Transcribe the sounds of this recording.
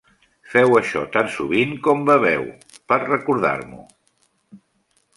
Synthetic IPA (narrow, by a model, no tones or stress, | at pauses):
fɛwəʃɔt̪ansuβiŋkɔmbəβ̞ɛw | pəɾrəkuɾð̞a̰ɾmṵ